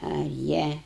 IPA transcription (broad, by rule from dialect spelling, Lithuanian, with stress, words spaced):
ɐ ˈjiɛ